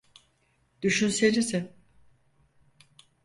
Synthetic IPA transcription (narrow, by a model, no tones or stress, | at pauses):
d̪̥yʃynse̞nizɪ